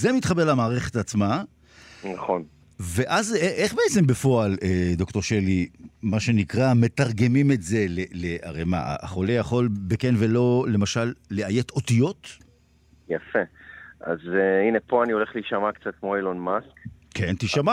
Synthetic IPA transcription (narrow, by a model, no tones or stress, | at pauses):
zemit̪χabelamaːʁe̞χe̞tat͡sma | naχo̞n | ve̞ʔazeʔeχbeet͡se̞mbefo̞aled̪o̞kt̪o̞ʃelimaʃe̞nikʁame̞taʁɡe̞mime̞tze̞lelea̰ʁe̞jma̰a̰a̰χolejaχo̞lbekenve̞lo̞le̞maʃalːe̞aje̞t̪o̞t̪ijo̞t̪ | jafea̰zeinepoanio̞le̞χliʃamakt͡sat̪̚kmoilonmaskkʰent̪iʃama